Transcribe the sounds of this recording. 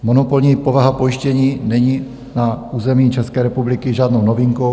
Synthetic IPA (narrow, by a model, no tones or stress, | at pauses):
mo̞nopolɲiːpo̞vaɦapo̞jɪʃcɛɲiːnɛɲi | nauːzɛmiːt͡ʃɛskɛːɾɛpublɪkɪʒaːdnownoviŋko